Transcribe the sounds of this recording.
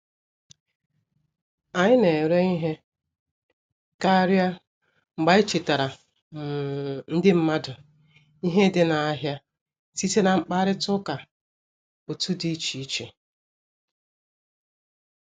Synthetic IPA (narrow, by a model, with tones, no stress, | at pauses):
a˨ɲɪ˦ne˨ɾe˦i˦ɦe˦ | ka˦ɾja˦ | ŋ͡m̩˨ɡ͡ba˦i˦t͡ʃi˨ta˨ɾa˨ | n̩˦dɪ˦m̩˦ma˦dʊ˨ | i˦ɦe˦dɪ˦na˨a˦ɦja˦ | si˦te˦na˨ŋ͡m̩˦k͡pa˦ɾɪ˦tʊ˦ka˨ | bʊ˨tu˦di˦t͡ʃi˨˦t͡ʃe˨